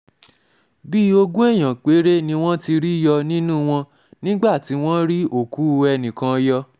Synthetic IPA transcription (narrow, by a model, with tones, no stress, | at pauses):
bi˦o˧ɡũ˦ɛ˦˨j̃ã˨k͡pe˨˦ɾe˦nĩ˧w̃ɔ̃˦ti˧ɾi˦jɔ˧nĩ˦nũ˦w̃ɔ̃˧ | nĩ˦ɡ͡ba˦˨ti˨˦w̃ɔ̃˦ɾi˦o˦˨ku˨˦ɛ˧nĩ˨kã˧˦jɔ˧